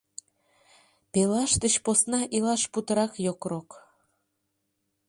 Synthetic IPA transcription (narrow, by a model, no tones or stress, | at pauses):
pelɑʃt̪əɕposnɑʔilɑʃput̪əɾɑkjokrok